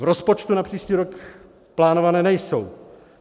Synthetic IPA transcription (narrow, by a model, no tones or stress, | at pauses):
vɾospo̞t͡ʃt̪unapr̝̥iːʃciːɾok | plaːnovanɛːnɛjso̞w